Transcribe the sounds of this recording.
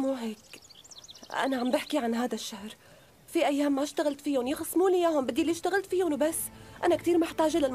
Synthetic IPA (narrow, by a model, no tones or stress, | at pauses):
muːɦeːk | ʔa̰naʕambɪħkiʕanɦaːd̪aʃːahɾ | fiʔajːaːmːaʃt̪aɣalt̪fijʊnjɪxɪsˤːmuːlɪjaːɦʊmbɪd̪ːiliɪʃt̪aɣɪlt̪fijʊnbasːʔanakt̪iːɾmɪħt̪aːʒɪlɪl